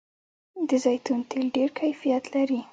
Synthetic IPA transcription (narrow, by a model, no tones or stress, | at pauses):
d̪əzajt̪unt̪ʰelɖeɾkʰajfijat̪laɾi